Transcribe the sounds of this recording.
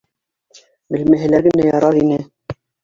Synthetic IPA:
mɘ̆lmæ̆ɦɘ̆læɾɡɘ̆næjɑɾɑðinɘ

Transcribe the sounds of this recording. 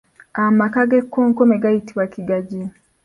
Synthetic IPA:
amakaɡekʰːoːŋkomeɡajitiβwakiɡaɟi

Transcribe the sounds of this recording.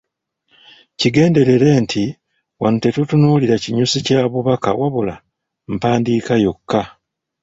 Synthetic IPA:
ciɡe̞ːnde̞ɾe̞ɾe̞ːntʰi | wanute̞tutunuːliɾaciɲusicaːβuβaka̰waβula̰ | m̩paːndiːkajo̞kːa

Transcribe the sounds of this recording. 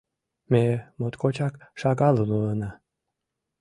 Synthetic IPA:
memot̪kot͡ɕɑkʃɑɣɑlunulɤnɑ

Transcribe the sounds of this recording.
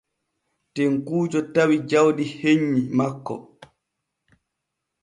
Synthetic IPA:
tɛŋkuːd͡ʒɔtawid͡ʒawɗiheɲːimakːɔ̰

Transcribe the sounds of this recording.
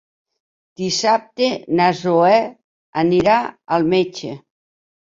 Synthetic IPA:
d̪̥isap̚t̪enazoɛ | aniɾaalˠmet͡ʃe

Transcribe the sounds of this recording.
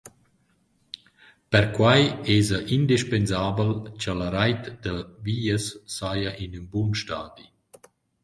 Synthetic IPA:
pɛɾkwajɛːzəʔind̪iʃpenzaːbəlt͡ʃalaɾajt̪d̪əviːəsːajaʔinynbunʃtaːd̪i

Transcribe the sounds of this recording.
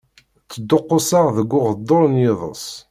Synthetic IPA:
t͡sːəd̪ːoqːʊsaʁðəɡːʊʁəd̪ːoɾˤnjɪðˤə̰s

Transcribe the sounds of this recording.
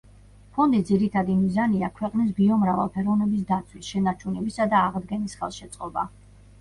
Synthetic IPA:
pʰɔnd̪id̪ziɾit̪ʰad̪imizaniakʰwɛqʼnis̬biɔmɾava̰lˠpʰɛɾɔvnɛbis̬d̪at̪sʰwisʃɛnaɾt͡ʃʰunɛbisad̪aːʁd̪ɡɛnisχɛ̰lˠʃɛt̪sʼqʼɔba

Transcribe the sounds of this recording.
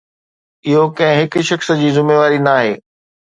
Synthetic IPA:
ɪɦokɐ̃ɦɪ̃ɦɪkʃɐxsd͡ʑiːzʊmeːʋaːɾinaːɦḛː

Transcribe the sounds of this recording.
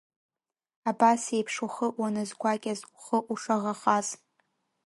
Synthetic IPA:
abasejpʰʂuχəʔwanɨzɡʷakʲʼazuχəʔuʂaʁaχaz

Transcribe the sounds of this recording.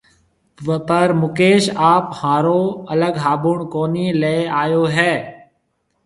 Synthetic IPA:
pəɾmʊkeːʃaːphãːɾoːələɡɦaːbuɳkoːniːleaːjoːɦɛː

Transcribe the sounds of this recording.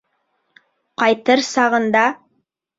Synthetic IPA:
qɑjt̪ɤɾsɑʁɤ̆nd̪ɑ

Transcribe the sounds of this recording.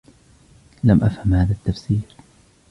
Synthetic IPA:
lamʔa̰fhamhaːðat̪ːafsiːɾ

